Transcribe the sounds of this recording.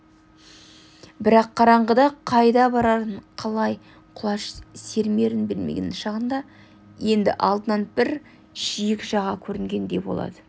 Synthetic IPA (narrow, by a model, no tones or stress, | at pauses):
bɪɾɑqʰːɑɾɑɴʁəd̪ɑqʰɑjd̪ɑbɑɾɑt̪əɴqʰɑlˠɑj | qʰʊlˠɑʃse̞ɾme̞ɾɪnbɪlmḛɡʲḛnɪnʃɑʁənd̪ɑ | je̞nd̪ɪ̰ʔɑlˠd̪ənɑnbɪɾ | ʒ̥ijɪkʒɑʁɑkʲʰɵɾɪŋɡʲe̞nd̪e̞bo̞̰lˠɑ̰d̪ə